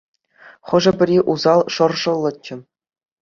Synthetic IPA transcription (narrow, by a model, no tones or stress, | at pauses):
χɤ̆ʐɤ̆bʲɘ̆rʲiʔuzɑlˠʂɤ̆rʐɤ̆lˠːɤ̆t͡ɕːɘ̆